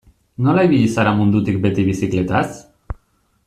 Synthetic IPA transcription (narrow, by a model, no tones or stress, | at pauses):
nolajβiisaɾamund̪ut̪ik̚bet̪iβisiklet̪as